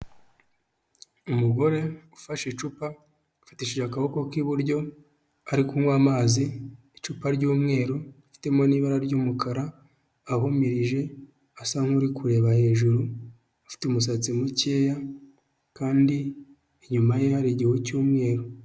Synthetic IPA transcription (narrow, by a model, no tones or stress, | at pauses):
umuɡo̞ɾe̞ufaʃit͡ʃupa | ufḁtiʃiʒakaβoko̞kiβuɾɟo̞ | aɾikuːŋwaːmaːzi | it͡ʃupaɾɟuːmŋe̞ːɾoifi̥te̞mo̞niːβaɾaɾɟuːmukʰaɾaː | humiɾiʒe̞ | asaŋ̥uɾikʰuɾe̞βahe̞ːʒuɾu | afi̥tumus̬at͡simuceja | kaːndi | iɲumajehaɾiɟihocuːmŋe̞ːɾo